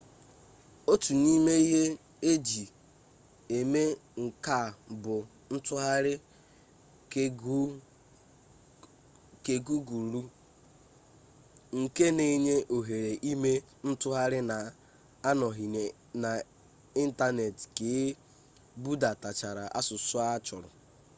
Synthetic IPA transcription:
o˦tu˨ni˦me˦i˦ɦe˦ | e˦d͡ʒi˨ | e˨me˦ŋ̩˨ka˦˨bʊ˨ | n̩˦tʊ˦ɦa˦ɾɪ˦ | ke˨ɡu˦ɡu˨ɾu˦ | ŋ̩˨ke˦ne˨˦ɲe˦ʔo˨ɦe˨ɾe˨ʔi˦me˦ | n̩˦tʊ˦ɦa˦ɾɪ˦na˨ | a˦nɔ˨ɦi˨e˨ | na˨ | i˦n̩˦ta˦ne˨tke˨˦ | bu˦da˨ta˨t͡ʃa˨ɾa˨ʔa̰˦sʊ˨sʊ˦a˦t͡ʃʊ̰˨ɾʊ̰˨

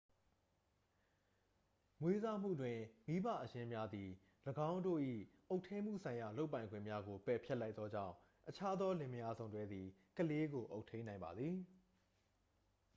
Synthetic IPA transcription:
ŋwe˦za˦˨m̥ṵ˦˨dwɪ̃˨mi˦ba̰˦˨ʔəjɪ̃˦mja˦d̪i˨ | ləɡã˦ʊ̃ndo̰˦˨ʔḭ˦˨ʔo˦ʊʔtʰẽ˦m̥ṵ˦˨sʰã˨ɪ̃ja˨lo˦ʊpːã˨ɪ̃ŋɡwɪ̰̃˦˨mja˦ɡo˨pɛ˨pʰjɛ˦ʔla˦ɪt̪ːɔ˦d͡ʑã̰˦˨ʊ̃ | ʔət͡ɕʰa˦d̪ɔ˦lɪ̃˨məja˦zõ˨ʊ̃ndwɛ˦d̪ði˨kəle˦ɡo˨ʔo˦ʊʔtʰːẽ˦ɪ̃nã˨ɪ̃mba˨d̪ði˨

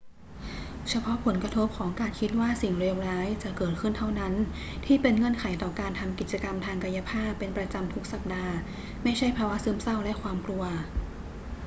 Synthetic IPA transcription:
t͡ɕʰa˧pʰɔ˦˥pʰo˩˦nkɾa˧t̪ʰo˦˥p̚kʰɔː˩˦ŋkaː˧nkʰi˦˥t̪̚waː˥˩si˨˩ŋɾeː˧wɾaː˦˥jt͡ɕa˨˩kɤː˨˩t̪̚kʰɯ˥˩nt̪ʰa˥˩wna˦˥n | t̪ʰiː˥˩pe˧nŋɤ˧˥˩ənkʰa˩˦jt̪ɔː˨˩kaː˧nt̪ʰa˧mki˨˩t͡ɕa˧ka˧mt̪ʰaː˧ŋka˧ja˧˥pʰaː˥˩kːe˧npɾa˧t͡ɕa˧mt̪ʰu˦˥k̚sa˨˩p̚daː˧ | ma˥˩jt͡ɕʰa˥˩jpʰaː˧wa˦˥sɯː˥˩msa˥˩wlɛ˦˥ʔkʰwaː˧mklu˧ɐ

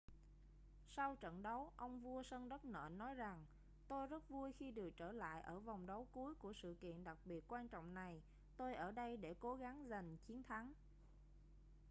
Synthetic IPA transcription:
sa˧wt͡ɕə̰˧˨nɗə˨˦wʔə˧wŋ͡mvu˧əsə˧nɗə˦˥t̚nə̰ː˧˨nɔ˨˦jza˨˩ŋ | t̪o˧jzə˦˥t̚vu˧əjxi˧ɗɨ˨˩ək̚t͡ɕəː˧˩la̰ː˧˨jʔəː˧˩va˨˩wŋ͡mɗə˨˦wku˨˦əjku˧˩əsɨ̰˧˨kḭ˧˨ənɗa˨˩k̚ɓi˨˩ət̚kwaː˧nt͡ɕɔ̰˧˨wŋ͡mna˨˩j | t̪o˧jʔəː˧˩ɗə˧jɗe˧˩ko˨˦ɣa˨˦ŋza˨˩ŋ̟t͡ɕi˨˦ənt̪ʰa˨˦ŋ

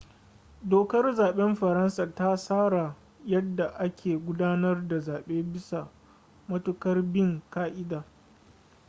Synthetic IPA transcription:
doː˨kɐ˦rzaː˨ɓɛ˦mɸɐ˨ɾɐ˦nsa˨ta˦saː˦ɽa˨ | jɐ˦dːa˨ʔa˦kʲʰeː˨ɡʷʊ˦daː˦nɐ˦rda˨zaː˨ɓeː˦bɪ˦sa˨ | mɐ˦tʊ˦kɐ˦rbɪ˦˨ŋkaː˦ʔɪ˦daː˨

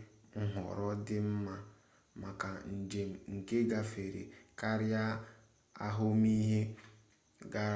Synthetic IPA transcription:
ŋ̩˦ɦɔ̰˨ɾɔ˦dɪ˦m̩˦ma˦ | ma˨ka˨n̩˨d͡ʒe˨m̩˨ŋ̩˨ke˦ɡa˦fe˨ɾḛ˨ka˦ɾja˦ | a̰˦ɦʊ˦mi˦ɦe˦ | ɡa˦

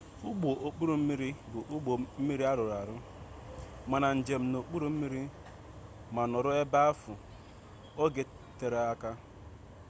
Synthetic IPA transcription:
u˦ɡ͡bo˨ʔo˨k͡pu˦ɾu˨m̩˦mi˦ɾi˦bʊ˨ʔu˦ɡ͡bo˨m̩˦mi˦ɾi˦a˦ɾʊ˨ɾa˨ɾʊ˦ | ma˨na˨n̩˨d͡ʒe˨m̩˦no˨k͡pu˦ɾu˦m̩˦mi˦ɾi˦ | ma˨nɔ˨ɾʊ˦e˦ba˦a˦fʊ˨ | o˦ɡe˨ | te˨ɾe˨a˦ka˦

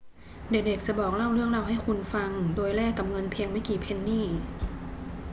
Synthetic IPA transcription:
de˨˩k̚de˨˩k̚t͡ɕa˧˩˦bɔː˨˩k̚la˥˩wɾɯ˥˩əŋla˧˩wɦa˥˩jkʰu˧nfa˧ŋdoː˧jlɛː˥˩ka˨˩mŋɤ˧npʰi˧əŋma˥˩jkiː˨˩pʰe˧nːiː˥˩

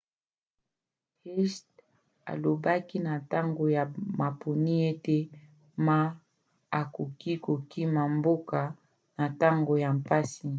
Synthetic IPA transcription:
hi˦st | a̰˨lo˨ba˦ki˦na˨ta˦ŋɡo˨ja˨ma˨pʰo˨ni˦e˦te˦ | ma˦ | a˨ku˨ki˦ko˨ki˦ma˨mbo˦ka˨ | na˨ta˦ŋɡo˨ja˨mpa˦si˨

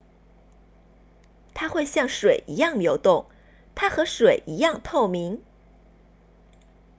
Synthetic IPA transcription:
t̪ʰa˥xwe˥˧ɪɕjɑ˥˩ŋʂwe˨˩ɪʔi˧˥jɑ˥˩ŋljo˧˥ʊt̪ʊ˥˩ŋ | t̪ʰa˥xɤ˧˥ʂwe˨˩ɪʔi˧˥jɑ˥˧ŋt̪ʰo˥˩ʊmi˧˥ŋ

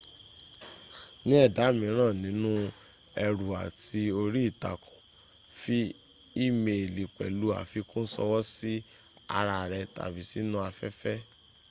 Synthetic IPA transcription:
nĩ˦ɛ˦˨da˨˦mĩ˨˦ɾ̃ãː˦˨nĩ˨˦nũ˦ | ɛ˧ɾu˨a˨ti˧o˧ɾi˦i˦˨ta̰˨ku̥˨ | fi˦ | i˦me˧˨li˨k͡pɛ̰˨lu˨˦a̰˦˨fi˧kũ˦n̩˦sɔ̰˧wɔ˦si˦ | a̰˧ɾa˧˨ɾɛ˧ta̰˨bi˨˦si˦nũ˦a˧fɛ˦fɛ˦

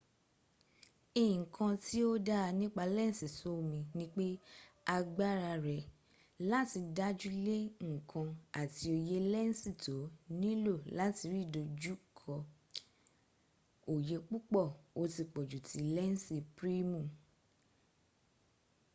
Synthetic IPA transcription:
i˦˨kʰã˧ti˦o˦da˦˧nĩ˦k͡pa˧lɛ˦n̩˨si˨so˨˦˨mĩ˧nĩ˦k͡pe˦a˧ɡ͡ba˦ɾa˧ɾɛ˨ | la˦ti˧da˦d͡ʒu˦le˦ŋ̩˦˨kʰã˧a˨ti˧o˧je˦lɛ˦n̩˦si˦˨to˨˦nĩ˦lo˦˨la˨˦ti˧ɾi˦˨do˧d͡ʒu˦kʰɔ˧ | o˨je˧k͡pu˦k͡pɔ˦˨o˧ti˧k͡pɔ˨d͡ʒu˨tʰi˨˦lɛ˦n̩˦si˧pɾi˦mũ˦˨

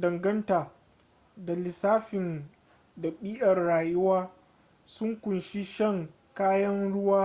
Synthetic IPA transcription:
dɐ˨ŋɡɐ˦ntaː˨ | da˨lɪ˨saː˦ɸɪ˨n | dɐ˨ɓiː˦ʔɐ˨rːaː˨jʊ˦waː˦ | sʊ˦ŋkʷʊ˨nʃi˦ʃɐ˦˨ŋ | kaː˦jɐ˦nɽʊ˦waː˦

